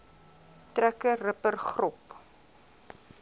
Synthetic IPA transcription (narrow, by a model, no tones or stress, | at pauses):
trækərəpərχrɔp